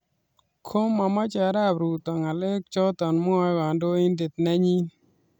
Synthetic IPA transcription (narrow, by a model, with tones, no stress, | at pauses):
kʰo˦mːa˨ma˦t͡ʃa˨ɾa˦˨pɾu˨t̪ɔ˨ŋa˨le˦k̚t͡ʃɔ˦t̪ɔ˨nmʊ˦a˦ɣa˨ndo˦ɪ˦nd̪ɪ˨t̪̚nɛ˦ɲi˦